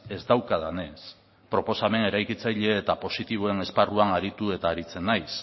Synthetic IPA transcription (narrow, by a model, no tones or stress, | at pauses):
e̞zd̪awkaðane̞s | pɾo̞po̞same̞ne̞ɾajkit͡sajʎe̞ːt̪apo̞sit̪iβ̞o̞e̞ne̞sparuanaɾit̪ue̞t̪aːɾit͡se̞nːajs